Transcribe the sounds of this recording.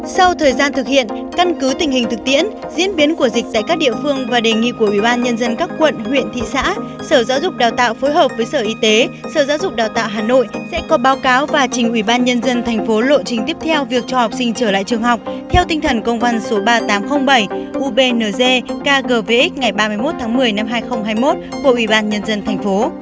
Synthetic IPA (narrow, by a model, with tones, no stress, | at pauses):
sa˧wt̪ʰəː˨˩jzaː˧nt̪ʰɨ˨˩k̚hḭ˧˨ən | ka˧nkɨ˨˦t̪ï˨˩ŋ̟hï˨˩ŋ̟t̪ɨ˨˩k̚t̪ḭ˧˥ən | zḭ˧˥ənɓi˨˦ənku˧˩əzi˨˩k̚t̪a̰ː˧˨kaː˦˥k̚ɗḭ˧˨əfɨ˧əŋvaː˨˩ɗe˨˩ŋḭ˧˨ku˧˩əʔwi˧˩ɓaː˧nɲə˧nzə˧nkaː˦˥k̚ːwə̰˧˨nhwḭ˧˨ənt̪ʰḭ˧˨sa̰ː˧˥ | səː˧˩za̰ː˧˥wzʊ˨˩k͡p̚ɗaː˨˩wt̪a̰ː˧˨wfo˨˦jɦəː˨˩p̚vəː˨˦jsəː˧˩ʔi˧t̪e˨˦səː˧˩za̰ː˧˥wzʊ˨˩k͡p̚ɗaː˨˩wt̪a̰ː˧˨wɦaː˨˩no̰˧˨jsɛ̰˧˥kɔ˨˦ɓaː˨˦wkaː˨˦wvaː˨˩t͡ɕï˨˩ŋ̟ʔwi˧˩ɓaː˧nɲə˧nzə˧nt̪ʰɛ˨˩jŋ̟fo˨˦lo̰˧˨jt͡ɕï˨˩ŋ̟t̪i˦˥əp̚t̪ʰɛ˧wvi˨˩ək̚t͡ɕɔ˧ha˨˩wk͡p̚sï˧ŋ̟t͡ɕəː˧˩la̰ː˧˨t͡ɕɨ˨˩əŋhɦa˨˩wk͡p̚t̪ʰɛ˧wt̪ï˧ŋ̟t̪ʰə˨˩nkə˧wŋ͡mva˧nso˨˦ɓaː˧t̪aː˨˦mxə˧wŋ͡mɓə˧˩jʔu˧ɓe˧nəː˨˩ze˧kaː˧ɣəː˧˩ve˧ʔi˦˥k̚ŋa˨˩jɓaː˧mɨ˧əjmo˦˥t̚t̪ʰaː˨˦ŋmɨ˨˩əjna˧mɦaː˧jxə˧wŋ͡mɦaː˧jmo˦˥t̚ku˧˩əʔwi˧˩ɓaː˧nɲə˧nzə˧nt̪ʰɛ˨˩jŋ̟fo˨˦